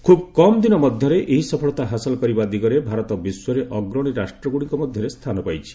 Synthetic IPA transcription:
kʰubkɔmd̪inɔmɔd̪ʱjɔɾeʔeɦisɔpʰɔɭɔt̪aɦasɔlɔkɔɾibad̪iɡɔɾebʱaɾɔt̪ɔbiswɔɾeʔɔɡɾɔɽ̃iɾasʈɾɔɡuɽiŋkɔmɔd̪ʱjɔɾest̪ʰanɔpajt͡ʃʰi̥

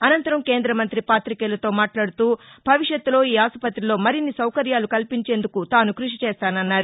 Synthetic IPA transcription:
ɐnɐnt̪ɐɾɐmke̞ːnd̪ɾɐmɐnt̪ɾipaːt̪ɾikeːlɐt̪o̞ːmaːʈlaːɽut̪uːbʱɐʋiʂjɐt̪ːulo̞ːiːaːsupɐt̪ilo̞ːmɐɾinːisɐwkɐɾjaːlukɐlpiɲt͡ʃe̞ːnd̪ukut̪aːnukɾuʂit͡ʃeːst̪aːnɐnːaːɾu

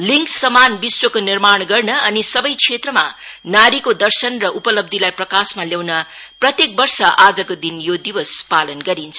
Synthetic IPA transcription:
liŋksʌmanbiswʌkonirmaɳ̃ɡʌrnʌʌnisʌbʌjt͡sʰet̪rʌma̰naɾikod̪ʌrsʌnrʌʔupʌlʌb̚d̪ʱilajprʌkasmaljawnʌ | prʌt̪jek̚bʌrsʌʔad͡zʌkod̪injod̪iwʌspalʌnɡʌɾint͡sʰʌ

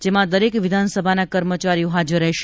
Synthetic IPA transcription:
d͡ʒemãd̪əɾekʋid̪ʱansəbʱanakəɾmət͡ʃaɾijoɦad͡ʒəɾːəɦʃ

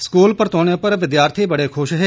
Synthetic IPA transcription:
skuːlpəɾt̪ɔːñjə̃pəɾʋɪd̪jaːɾt̪ʰiːbɐɽeːkʰʊʃɦe

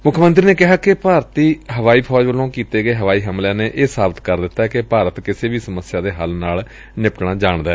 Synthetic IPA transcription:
mʊkʰmənt̪̬ɾiːneːkɪɦaːkɪpaːɾt̪iːɦəʋaːiːpʰɔːd͡ʒʋəlõːkiːt̪eːɡəeːɦəʋaːiːɦəmljãːneːʔeːsaːbət̪kəɾd̪ɪt̪ːaɛkɪpaːɾət̪kɪseːʋiːsəməsɪjaːd̪eːɦəlnaːl | nɪpʈɳaːd͡ʒaːɳd̪aɛː

